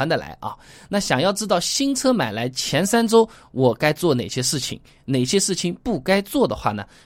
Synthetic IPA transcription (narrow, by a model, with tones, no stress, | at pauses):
a˧˥nd̪a˧˩la̰˧˥ɪʔɐ̰˥˧na˥˩ɕjɑ˨˩ŋjɑ˥˩ʊʈ͡ʂɻ̩˥t̪ɑ˥˩ʊɕi˥ŋt͡sʰɤ˥ma˨˩ɪla˧˥ɪt͡ɕʰjɛ˧˥nsa˥nʈ͡ʂo˥ʊwɔ˨˩ka˥ɪt͡swɔ˥˩ne˨˩ɪɕjɛ˥ʂɻ̩˥˩t͡ɕʰḭ˨˩˦ŋ | ne˨˩ɪɕjɛ˥ʂɻ̩˥˩t͡ɕʰi˧˥ŋpu˥˩ka˥ɪt͡swɔ˥˩d̪ə˩xwa̰˥˩nə̰˩